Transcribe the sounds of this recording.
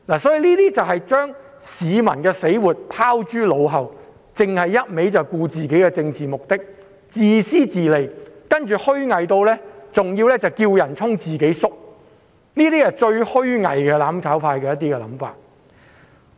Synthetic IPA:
laː˨˩sɔ˨˥jiː˨˧liː˥t̪iː˥t͡sɐ˨wɦɐ˨jt͡ʃœː˥ŋ | siː˨˧mɐ̰˨˩nkɛː˧se˨˥jwuː˨˩t̚pʰaː˥wt͡ʃyː˥lo˨˧wɦɐ˨w | t͡sɪ˨ŋhɐ˨jːɐ˥t̚me˨˥jt͡sɐ˨wkuː˧t͡siː˨ke˨˥jkɛː˧t͡sɪ˧ŋt͡siː˨mʊ˨k̚t̪ɪ˥k̚ | t͡siː˨˧siː˥t͡siː˨le˨jkɐ˥nt͡ʃyː˨hɵ˥ɥŋɐ˨jt̪o˧wlɛː˥t͡sʊ˨ŋjiː˧wlɛː˥t͡sɐ˨wkiː˧wjɐ˨˩nt͡sʰʊ˥ŋt͡siː˨ke˨˥jsʊ˥k̚ | niː˥t̪iː˥t͡sɐ˨t͡ʃɵ˧ɥhɵ˥ɥŋɐ̰˨jkɛː˧laː˨˥mkʰaː˨˥wfaː˧jkɛː˧jɐ˥t̪̬iː˥kɛ˧lɐ̰˨˥mfa̰ː˨˩t̚

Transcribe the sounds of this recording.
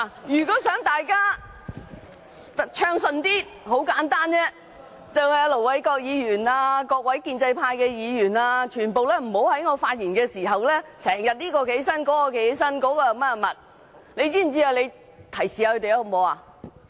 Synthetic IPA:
jyː˨˩kɔː˨˥sœː˨˥ŋt̪aː˨jkaː˥˨ | t͡ʃʰœː˧ŋsɵ˨nt̪iː˥ | ho˨˥wkaː˨˥nt̪aː˥nt͡sɛː˥ | t͡sɐ˨wjaː˧lo˨˩wwɐ˨˥jkɔː˧k̚jiː˨˧jyː˨˩naː˧kɔː˧k̚wɐ˨˥jkiː˧nt͡sɐ˧jpʰaː˧jkɛː˧jiː˨˧jyː˨˩naː˧t͡ʃʰyː˨˩npo˨wlɛː˥m̩˨˩ho˨˥whɐ˨˥jŋɔː˨˧faː˧t̚jiː˨˩nkɛː˧siː˨˩ɦɐ˨wlɛː˥sɛː˨˩ŋjɐ˨t̚liː˥kɔː˧ke˨˥jsɐ˥nkɔː˨˥kɔː˧ke˨˥jsɐ˥nkɔː˨˧˥kɔː˧jɐ˨˧wmɛ˥ɐ˨˧mɐ˨˩t̚ | ne˧jt͡siː˥m̩˨˩t͡siː˥ja˨˧wle˨˧j | t̪ʰɐ˨˩jsiː˨a˧hɵ˧t̪e˨jho˧˩mo˨˧a˧

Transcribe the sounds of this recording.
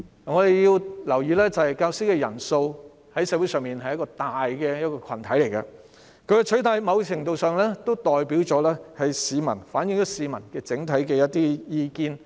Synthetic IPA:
ŋɔː˨˧d̪e˨jji˧wlɐ˨˩wjiː˨˧lɛː˥t͡sɐ˨˧hɐ˨jkaː˧wsi˥kɛː˧jɐ̰˨˩nso˧w | hɐ˨˥jsɛː˧˥wu˨˥jsœː˨˧ŋmiː˨˩nhɐ˨jɐ˥tkɔː˧t̪aː˨jkɛː˧jɐ˥t̚kɔː˧kʰɐ̰˨˩nt̪ʰɐ˨˥jle˨˩jkɐ̰˧ | kʰɵ˧kɛ˧t͡ʃʰɵ˨˥t̪ʰaː˨˧˩jmɐ˨˧wt͡ʃʰɪ˨˩ŋt̪o˨˧wsœː˨ŋlɛː˥t̪o˥wt̪ɔː˨jpi˨˥wt͡ʃɔː˨˥lɛː˥hɐ˨jsiː˨˧mɐ̰˨˩nfaː˨˥njɪ˧ŋt͡ʃɔː˨˥siː˨˧mɐ˨˩nkɛː˧t͡sɪ˨˥ŋt̪ʰɐ˨˥jkɛː˧jɐ˥t̚t̪iː˥jiː˧kiː˧n

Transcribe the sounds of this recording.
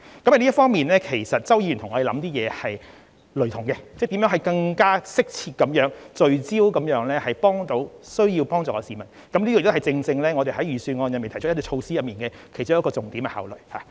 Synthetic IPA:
kɐ˨˥mhɐ˨˩li˥fɔː˥ŋmiː˨nlɛː˥kʰe˨˩jsɐ˨t̚t͡sɐ˥wjiː˧ɥt̪ʰʊ˨˩ŋɔː˨˧˥e˨˩lɐ˨˥mt̪iː˥jɛː˨˧hɐ˨j | lɵ˨˩t̪ʰʊ˨˩ŋkɛ˧t͡sɛː˥˩t̪i˨˥mjœː˨˥ŋɦɐ˨˩jkɐ˧ŋkaː˥sɪ˥k̚t͡sʰiː˧t̚kɐ˨˥mjœː˨˥ŋt͡sɵ˨ɥt͡siː˥wkɐ˨˧˥mjœː˨˥ŋlɛː˥hɐ˨jpɔː˥ŋt̪o˨˧˥wsɵ˥ɥjiː˧wpɔː˥ŋt͡sɔː˨˩kɔː˧siː˨˩mɐ˨˩n | kɐ˨˥mli˥ɔː˧˨kt̪hɐ˨˩t͡sɪ˧ŋt͡sɪ˧ŋlɛː˥ŋɔː˨˧e˨jhɐ˨˥jjyː˨˩syː˧nŋɔː˧˨njnme˨t̪ʰt̪ʰi˧˥t͡ʃʰo˧wsiː˥jɐ˨p̚miː˨nkɛː˧kʰjt͡ɕʊ˥˨˥kɔː˧t͡sʊ˨ŋt̪iː˨˥mkɛ̰˧ha̰ː˨˩wlɵ˨˩ɥha̰ː˨

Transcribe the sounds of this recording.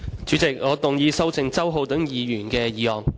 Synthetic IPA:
t͡syː˨˥t͡sɪ˨k̚ŋɔː˨˧t̪ʊ˨ŋjiː˨˧sɐ˥wt͡sʰɪ˨ŋt͡sɐ˥wɦo˧wt̪ɵ˨˥ŋjiː˨jyː˨˩nkɛː˧jiː˨˧hɔː˨ŋ

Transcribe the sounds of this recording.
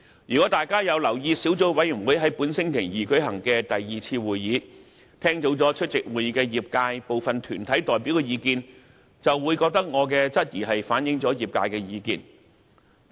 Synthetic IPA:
jyː˨˩kɔ˨˥t̪aː˨jkaː˥jɐ˨˧wlɐ˨˩wjiː˧si˨˥wt͡so˨˥wwɐ˨˥jy˨˩nwuː˨˥jɦɐ˨˥jpu˨˥nsɪ˥ŋk̪ʰɪ˨˩ŋjiː˨kɵ˨˥jɦɐ˨˩ŋkɛː˧t̪ɐ˨jːiː˨t͡sʰiː˧wuː˨jːiː˨˧˥ | t̪ʰɛː˥ŋt̪o˨˥wt͡sɔː˨˥t͡ʃʰɵ˥t̚t͡sɪ˨k̚wuː˨jiː˨˧˥kɛː˧jiː˨p̚kaː˧jpo˨wfɐ˨nt̪ʰyː˨˩nt̪ʰɐ˨˥jt̪ɔː˨˩jpi˨˥wkɛː˧jiː˨˧kiː˧n | t͡sɐ˨wwuː˨˧jkɔː˧k̚t̪ɐ˥k̚ŋɔː˨˧k̬ɛː˧t͡sɐ˥t̚jiː˨˩ɦɐ˨jfaː˨˥njɪ˨˧ŋt͡sɔː˨˥jiː˨˩p̚kaː˧jkɛː˧jiː˨˧kiː˧n

